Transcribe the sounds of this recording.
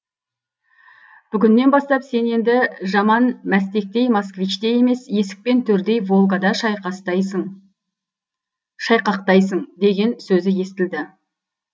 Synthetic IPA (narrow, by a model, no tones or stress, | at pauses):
b̥ʏɡʲɪnːe̞nbɑst̪ɑpse̞ne̞nd̪ɪʒɑmɑnmæs̬t̪e̞k̚t̪e̞jmaskvit͡ʃt̪eje̞me̞sje̞sɪ̥k̚pe̞nt̪ʰɵɾd̪e̞jvo̞lˠɡɑd̪ɑʃɑqɑst̪ | ʃɑjqɑqt̪ɑjsəɴd̪e̞ɡʲe̞nsɵzɪje̞st̪ɪld̪ɪ